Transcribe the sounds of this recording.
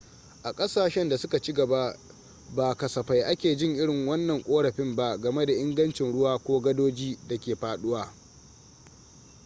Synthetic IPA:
ʔa˨kʼɐ˦saː˨ʃɛ˦nda˨sʊ˦ka˨t͡ʃi˦ɡɐ˨ba˦ | baː˨kɐ˨sɐ˨ɸa˨jʔa˦kʲeː˨d͡ʒɪ˦ŋʔɪ˦ɽɪ˨ŋwɐ˦nːɐ˨ŋkʷʼoː˦ɽɐ˨ɸɪ˦mba˦ɡɐ˨me˦da˨ʔɪ˦ŋɡɐ˦nt͡ʃɪ˨nɽʊ˦waː˦kʷoː˦ɡɐ˦doː˦d͡ʒiː˦da˨kʲeː˨ɸaː˦ɗʊ˦waː˨

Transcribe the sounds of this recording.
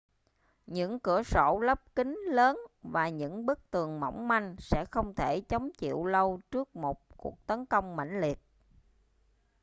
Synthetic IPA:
ɲɨ̰˧˥ŋkɨ˧˩əso̰˧˩lə˦˥p̚kï˨˦ŋ̟ləː˨˦nvaː˨˩ɲɨ̰˧˥ŋɓə˦˥k̚t̪ɨ˨˩əŋmə̰˧˩wŋ͡mma˧jŋ̟sɛ̰˧˥xə˧wŋ͡mt̪ʰe˧˩t͡ɕə˨˦wŋ͡mt͡ɕḭ˧˨əwlə˧wt͡ɕɨ˦˥ək̚mo˨˩t̚kṵ˨˩ək̚t̪ə˨˦nkə˧wŋ͡mma̰˧˩jŋ̟li˨˩ət̚

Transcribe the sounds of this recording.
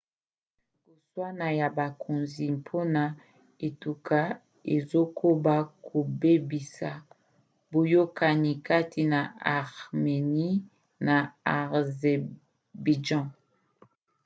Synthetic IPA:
ko˨swa˦na˨ja˨ba˨kʰo˨nzi˨mpʰo˦na˨ | e˨tu˨ka˦ | e˨zo˦kʰo˦ba˦kʰo˨be˦bi˨sa˨ | bo˨jo˦ka˨ni˨ka˦tʰi˨na˨a˨ʁme˨ni˦ | na˨a˨ʁze˨ | bi˨d͡ʒɑ̃˦

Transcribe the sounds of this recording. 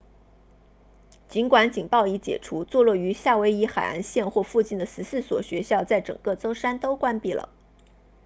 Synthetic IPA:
t͡ɕi˧˥nkwa˧˥nt͡ɕi˨˩ŋpɑ˥˧ʊi˧˥t͡ɕjɛ̰˨˩ʈ͡ʂʰu˧˥t͡swɔ˥˧lwɔ˥˩y˧˥ɕja˥˩we˧˥ɪi˧˥xa˨˩ɪa̰˧˥nɕjɛ˥˧nxwɔ˥˧fu˥˧t͡ɕi˥˩nd̪ə˩sɹ̩˧˥sɹ̩˥˩swɔ˨˩ɕɥɛ˧˥ɕjɑ˥˧ʊt͡sa˥˩ɪʈ͡ʂɤ̰˨˩ŋkɤ˥˩t͡so˥ʊʂa˥nt̪o˥ʊkwa˥npi˥˩lə̰˩

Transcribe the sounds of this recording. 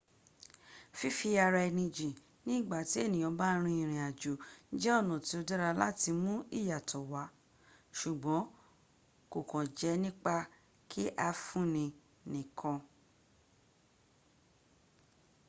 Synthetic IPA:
fi˦fi˧a˧ɾa˧ɛ˧˨nĩ˧d͡ʒĩ˨ | nĩ˦˨ɡ͡ba˨ti˨˦e˦˨nĩ˨ɔ̃˧˦ba˦ɾ̃ĩ˧ĩ˨ɾ̃ĩ˨a˨d͡ʒo˨˦d͡ʒɛ˦ɔ˦˨nũ˨ti˨˦o˧dɛ˦ɾa˧la˦ti˧mũ˦i˦˨ja˨tʰɔ˨wa˨˦ | ʃu˨ɡ͡bɔ̃˨˦ | ko˨kɔ̃˨d͡ʒɛ˨˦nĩ˦k͡pa˧ | kʰi˦ʔa˧fũ˦˨nĩ˧ | nĩ˨kʰɔ̃˧

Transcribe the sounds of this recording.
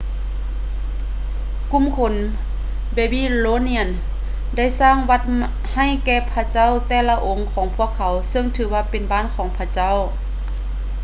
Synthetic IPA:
ku˧˥˨mkʰo˧˦n | beː˧˩biː˧˥˨loː˧˥˨ni˧˥˩ə˨n | da˥˩˨jsaː˧˥˨ŋwa˧˩t̪̚ | ha˧˩jkɛː˧˩pʰa˧t͡ɕa˥˨wt̪ɛː˧˩la˧ʔo˨˧˦ŋkʰɔː˨˦ŋpʰu˧˩əkʰːa˨˦wsɤ˧ŋt̪ʰɯː˨˩˦waː˧˥pe˨nbaː˧˥˨nkʰɔː˨˦ŋpʰa˧˥t͡ɕa˥˨w

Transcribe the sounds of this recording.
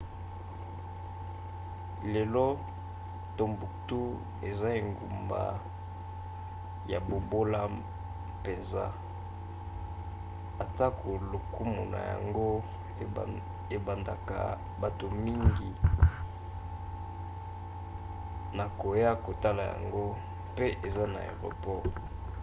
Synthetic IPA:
lɛ˨lo˦ | to˦mbu˨tu˦ | e˨za˦e˨ŋɡṵ˨mba̰˨ | ja˨bo˨bo˦la˦ | pe˨nza̰˦ | a˨ta˦kʰo˨lo˨ku˦mu˨na̰˨ja̰˨ŋɡo˦˨ | e˨ba˨nda˨ka̰˨ | ba˨to˨mi˦ŋɡi˨ | na˨ko˨ja˦ko˨ta˦la˨ja̰˨ŋɡo˦ | pe˦ʔe˨za˦na̰˨ḛ˨ʁo̰˨pɔ˦˨

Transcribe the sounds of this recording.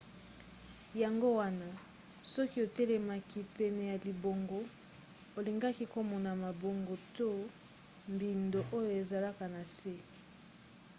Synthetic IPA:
ja˨ŋɡo˦wa˦na˨ | sɔ˦ki˦o˨te˦le˨ma˦ki˦pɛ˨nɛ˨ja˨li˨bo˨ŋɡo˦ | o˨li˨ŋɡa˦ki˦ko˦mɔ˨na˨ma˨bo˨ŋɡo˨to˦ | mbi˨ndo˨ʔo˦jo˨e˨za˨la˦ka˨na˨se˦

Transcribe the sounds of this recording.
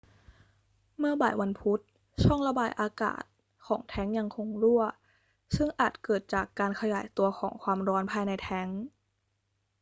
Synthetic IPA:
mɯ˥˩ɐbaː˨˩jwa˧npʰu˦˥t̪̚ | t͡ɕʰɔ˥˩ŋɾa˧baː˧jʔaː˧ka̰ː˨˩t̪̚ | kʰɔː˩˦ŋt̪ʰɛ˦˥ŋja˧ŋkʰo˧ŋɾu˥˩ɐ | sɯ˥˩ŋʔaː˨˩t̪̚kɤː˨˩t̪̚t͡ɕaː˨˩kːaː˧nkʰa˧ja̰ː˩˦jt̪u˧ɐxʰɔː˩˦ŋkʰwaː˧mɾɔː˦˥npʰaː˧jna˧jt̪ʰɛ˦˥ŋ

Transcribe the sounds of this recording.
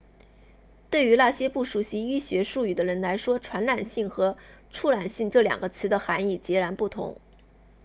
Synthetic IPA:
t̪we˥˩ɪy˧˥la˥˩ɕjɛ˥pu˥˩ʂu˨˩ɕi˧˥y˥ɕɥɛ˧˥ʂu˥˩y˨˩d̪ə˦ɻə˧˥nla˧˥ɪʂwɔ˥ʈ͡ʂʰwa˧˥nla˨˩nɕi˥˩ŋxɤ˧˥ʈ͡ʂʰu˥la˨˩nɕi˥˧ŋʈ͡ʂɤ˥˩ljɑ̰˨˩ŋɡə˦t͡sʰɹ̩˧˥d̪ə˧xa˧˥ni˥˩t͡ɕjɛ˧˥ɻa˧˥npu˥˩t̪ʰʊ̰˧˥ŋ

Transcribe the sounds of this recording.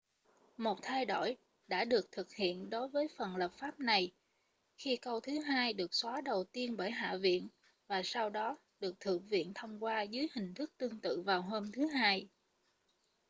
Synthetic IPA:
mo˨˩t̚t̪ʰa˧jɗo̰˧˩j | ɗa̰ː˧˥ɗɨ˨˩ək̚t̪ʰɨ˨˩k̚hḭ˧˨ənɗo˨˦jvəː˨˦jfə˨˩nlə˨˩p̚faː˦˥p̚na˨˩j | xi˧kə˧wt̪ʰɨ˨˦ɦaː˧jɗɨ˨˩ək̚swaː˨˦ɗə˨˩wt̪i˧ənɓəː˧˩jɦa̰ː˧˨vḭ˧˨ən | vaː˨˩sa˧wɗɔ˨˦ | ɗɨ˨˩ək̚t̪ʰɨ̰˧˨əŋvḭ˧˨ənt̪ʰə˧wŋ͡mkwaː˧zɨ˨˦jhï˨˩ŋ̟t̪ʰɨ˦˥k̚t̪ɨ˧əŋt̪ɨ̰˧˨vaː˨˩wɦoː˧mt̪ʰɨ˨˦ɦaː˧j

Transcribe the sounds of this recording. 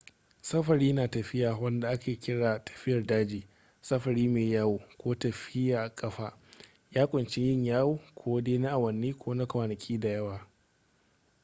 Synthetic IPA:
sɐ˦ɸɐ˨ɾiː˦naː˨tɐ˨ɸɪ˦jaː˨wɐ˦nda˨ʔa˦kʲeː˨kʲɪ˦ɽaː˨tʰɐ̥˨ɸɪ˦jɐ˨rdaː˦d͡ʒiː˨ | sɐ˦ɸɐ˨ɾiː˦meː˨jaː˦woː˨kʷoː˦tɐ˨ɸɪ˦jaː˨ʔa˨kʼɐ˦ɸaː˦ | jaː˦kʷʼʊ˨nt͡ʃɪ˦ɲjɪ˦ɲjaː˦woː˦˨kʷʰoː˦deː˦na˦ʔa˨wɐ˨nːiː˦kʷʰoː˦na˦kʷaː˨nɐ˨kʲʰiː˦da˨jɐ˦waː˨

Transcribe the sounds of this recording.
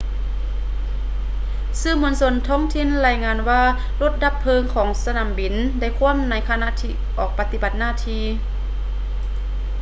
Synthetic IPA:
sɯː˧˩mu˧˥ənso˧˥nt̪ʰɔː˧˥˨ŋt̪ʰi˧˨nlaː˧˩jŋaː˧nwaː˧˩ | lo˧˥t̪̚da˧˥pʰːɤː˧ŋkʰɔː˩˦ŋsa˧naː˨˦mbi˨˩nda˧˩jkʰu˧˥əmna˧˥jkʰa˧na˧˨t̪ʰiː˧˩ʔɔː˨˩k̚pa˧t̪i˧ba˨˩t̪̚naː˧˥˨t̪ʰiː˧

